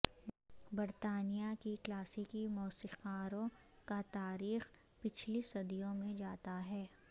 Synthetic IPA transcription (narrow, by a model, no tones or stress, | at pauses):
bɐɾt̪aːnijakiklaːsɪkimɔːsiqaːɾõ | kat̪aːɾiːx | pɪt͡ʃʰlisɐd̪ijõmẽd͡ʒaːt̪aɦɛː